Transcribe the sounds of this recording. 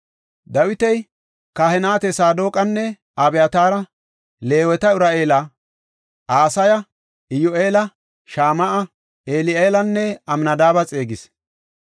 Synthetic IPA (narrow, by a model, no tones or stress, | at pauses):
d̪ɐwɪt̪ɛj | kɐhɛnaːt̪ɛsaːd̪o̞ːkʼɐnːɛ | abɛjɐt̪aːɾɐ | le̞ːwɛt̪ɐʊɾaːʔeːlɐ | aːsɐjɐ | ɪjoʔeːlɐ | ʃaːmɐʔɐ | eːlɪeːlɐnːɛɐmnɐd̪aːbɐt͡sʼe̞ːɡɪs